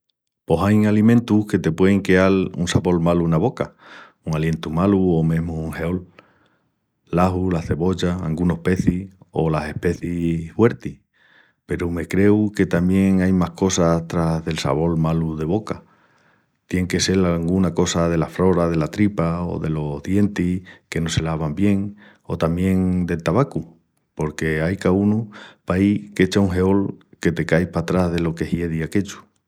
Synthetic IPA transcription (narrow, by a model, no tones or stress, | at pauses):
po̞sajŋalimẽ̞nt̪uhke̞t̪e̞pwe̞eŋkealṵnsaβo̞lmalunaβo̞ka | uŋalje̞nt̪umaluomẽ̞ɦmouŋhe̞o̞l | aɦulaθe̞βo̞ʎaa̰ŋɡuno̞hpe̞θio̞̰lase̞hpe̞θifwe̞ɾt̪ih | pe̞ɾume̞kɾe̞uke̞t̪ambje̞ŋajmahko̞sat̪ɾaðe̞lsa̰βo̞lmaluðe̞β̞o̞ka | t̪je̞ŋke̞se̞lalɣunako̞sað̞e̞lafɾo̞ɾað̞e̞lat̪ɾipao̞̰ðe̞lo̞ɦðje̞nt̪ike̞no̞se̞laβ̞ambje̞ŋ | o̞t̪amjẽ̞ŋd̪e̞lt̪aβaku | po̞ɾke̞ajkaunupaike̞t͡ʃauŋɦe̞o̞lke̞t̪e̞kajpat̪ɾaɦðe̞lo̞ke̞hje̞ðiake̞t͡ʃu̥